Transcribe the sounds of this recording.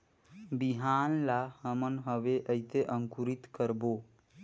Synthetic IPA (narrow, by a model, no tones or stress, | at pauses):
biɦanlahəmənɦəbeʔəɪt̪eʔəŋkuɾit̪kəɾbo